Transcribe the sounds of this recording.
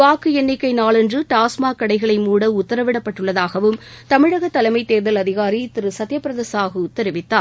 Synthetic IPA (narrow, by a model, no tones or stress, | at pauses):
ʋaːkɯɛnːɪkːɐɪnaːɭɛndrɯʈaːsmaːkɐɽɐɪɣɐɭɐɪmuːɽɐʊt̪ːɐɾɐʋɪɽɐpːɐʈːɯɭːɐðaːɣɐʋɯmt̪ɐmɪɻɐɣɐt̪ːɐlɐɪmɐɪt̪ːeːɾðɐlɐðɪɣaːɾit̪ɪɾɯsɐt̪ːjɐpːɪɾɐðesaːɣɐʊt̪ːɐɾɪʋɪt̪ːaːɾ